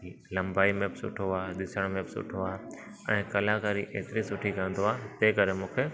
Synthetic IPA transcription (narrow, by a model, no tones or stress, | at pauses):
lɐ̃mbaːimẽpsʊ̰ʈʰoaːɗ̪ɪsəɽ̃mẽbɪsʊ̰ʈʰoaː | ɛ̃ːkɐlakaːɾiʔeːt̪ɪɾisʊʈʰikɐə̃nd̪oaːt̪eːkɐɾemũːkʰe